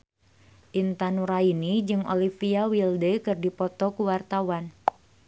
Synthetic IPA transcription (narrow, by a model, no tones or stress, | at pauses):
ʔint̪anuɾainid͡ʒɨŋo̰lifiawildəkɨrdipɔt̪ɔkuwart̪awan